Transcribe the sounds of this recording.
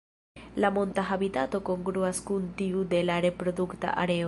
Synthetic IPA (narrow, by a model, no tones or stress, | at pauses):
lamo̞ntaɦabitato̞ko̞ŋɡɾuaskuntiude̞laɾe̞pɾo̞dukta̰ʔaɾe̞